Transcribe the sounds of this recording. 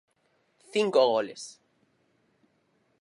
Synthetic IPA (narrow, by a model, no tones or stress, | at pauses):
θiŋkoɣolḛs